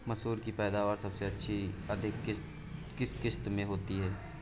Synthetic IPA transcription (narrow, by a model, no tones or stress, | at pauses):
mɐsuːɾkipɛːd̪aːʋaːɾsɐbseɐtːʃʰiɐd̪ʱɪkɪ | kɪskɪst̪mẽɦoːt̪iɦɛː